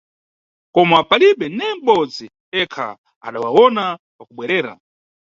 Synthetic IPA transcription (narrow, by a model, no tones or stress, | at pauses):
kɔmapaliɓɛnɛm̩ɓɔd͡zi | ɛkʰa̰ | a̰ɗawawɔna | pakuɓwɛɾɛːɾa̰